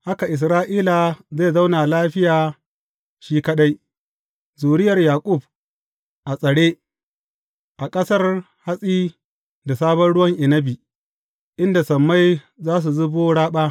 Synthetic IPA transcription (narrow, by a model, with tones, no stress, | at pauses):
ha˦ka˨ʔɪ˨s̬ɾaː˦ʔiː˦la˨za˦˨za˦wna˨laː˦ɸɪ˦jaː˨ | ʃiː˦kɐ˦ɗa˦j | zuː˨ɽɪ˦jɐ˨rjaː˨kʼʊ˦˨b̚ | ʔa˨sʼɐ˨ɽeː˦ | ʔa˨kʼɐ˦sɐ˦r | ha˦sʼiː˦ | da˨saː˦bɐ˦nɽʊ˦wɐ˦ŋʔɪ˨nɐ˦bi˨ | ʔɪ˦nda˨sɐ˨mːa˦j | zaː˦s̬u˨zʊ˦boː˦ɽaː˦ɓaː˦